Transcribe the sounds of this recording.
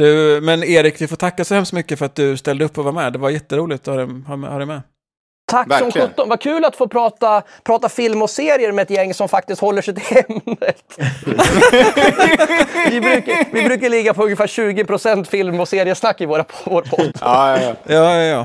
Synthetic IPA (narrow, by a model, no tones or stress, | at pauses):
d̪̥ɵmɛneːɾɪkvɪfoːʈ̪ʰakːasɔhɛmst̪mʏkːəfœɾat̪̚d̪ɵst̪ɛld̪əɵpːɔvaɾmɛd̪ɛvaɾjɛt̪ːəɾuːlɪɡt̪ɔhɑɛhɑɛhɑːɾɛmɛ | t̪ʰaksɔmɧɵt̪ːɔnvaɾkʰʉ̟ːlat̪foːpʰɾɑːt̪apʰɾɑːt̪afɪlmɔseːɾɪəɾmɛɛt̪jɛŋːsɔmfak̚t̪ɪst̪hɔlːəʂɛɪjt̪ʰɪlhɛmːət̪ | vɪbɾʉ̟ːkavɪbɾʉːkaɭɪɡːapʰɔɵŋːɪfæːɾɕʉ̟ːɡɪpʰɾʊsɛnt̪fɪlmɔseːɾɪəsnakːɪvoːɾapʰvoːɾpʰɔd̪ːjɑːjɑː